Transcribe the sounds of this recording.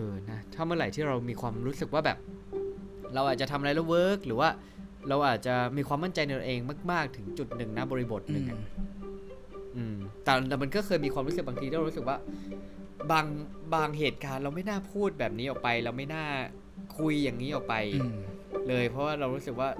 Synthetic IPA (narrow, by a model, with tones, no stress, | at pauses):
ʔɤː˧˩na˦˥t̪ʰaː˥˩mɯ˥˩ɾa˨˩jt̪ʰiː˥˩ɾa˧wmiː˧kʰwaː˧mɾuː˦˥sɯ˨˩k̚waː˥˩bɛː˨˩p̚ | ɾa˧wʔaː˨˩t̪̚t͡ɕa˨˩t̪ʰa˧mʔa˧ɾa˧˥jɾa˧˥˩wɤː˦˥k̚ɾɯː˩˦waː˥˩ | ɾa˧wʔaː˨˩t̪̚t͡ɕa˨˩miː˧kʰwaː˧mːa˥˩nt͡ɕa˧jna˧t̪o˧ʔeː˧ŋmaː˥˩k̚maː˥˩k̚t̪ʰɯ˩˦ŋt͡ɕu˨˩t̪̚nɯ˨˩ŋna˦˥bɔː˧ɾi˧bo˨˩t̪̚nɯ˨˧˩ʔa̰˨˩ | ʔɯː˧mt̪ɛ˨˩ɛː˨˩ma˧nkɔ˥˩kʰɤː˧jmiː˧kʰwaː˧mɾu˦˥sɯ˨˩baː˧t̪ʰiː˧i˥˩ɾɾu˦˥ɯ˨˩k̚waː˥˩ | baː˧ŋ | baː˧ŋɦeː˨˩t̪̚kaː˧nɾa˧wma˥˩jnaː˥˩pʰuː˥˩t̪̚bɛː˨˩p̚niː˦˥ʔɔː˨˩k̚pa˧jɾa˧wma˥˩jnaː˥˩ | kʰu˧jːa˨˩ŋːiː˦˥ʔɔː˨˩k̚pa˧j | lɤː˧jpʰɾɔ˦˥waː˥˩ɾa˧wɾuː˦˥sɯ˨˩k̚waː˥˩